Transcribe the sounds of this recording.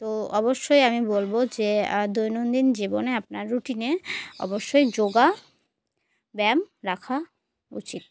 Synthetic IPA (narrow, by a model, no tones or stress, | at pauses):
t̪oɔboʃːojamibolbod͡ʑed̪ojnond̪ind͡ʑiboneap̚naɾːuʈineɔ̰boʃːojd͡ʑoɡa | bɛmɾakʰa | ṵt͡ɕit̪̚